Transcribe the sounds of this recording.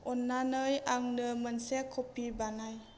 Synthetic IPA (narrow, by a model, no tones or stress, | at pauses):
ʔɔnːanəjaŋnəmənsekʰopibanaj